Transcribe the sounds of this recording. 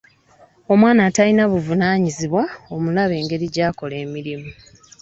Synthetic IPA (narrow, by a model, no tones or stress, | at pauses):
o̞mwaːnaːtalinaβuvunaːɲiziβwao̞mulaβe̞ːŋɡe̞ɾiɟaːko̞le̞ːmiɾimu